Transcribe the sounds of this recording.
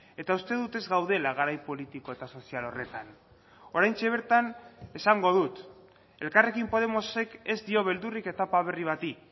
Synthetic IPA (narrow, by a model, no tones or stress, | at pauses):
e̞t̪aust̪e̞ðut̪e̞zɣawðe̞laɣ̞aɾajpo̞lit̪iko̞e̞t̪aso̞sialo̞re̞t̪an | o̞ɾajnt͡ʃe̞β̞e̞ɾt̪ane̞saŋɡo̞ðut̪ | e̞lkare̞kimpo̞ð̞e̞mo̞se̞ke̞zd̪io̞β̞e̞ld̪urike̞t̪apaβ̞e̞riβ̞at̪i